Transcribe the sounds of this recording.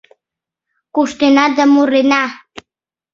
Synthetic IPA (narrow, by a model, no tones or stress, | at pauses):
kuʃt̪enad̪əmuɾena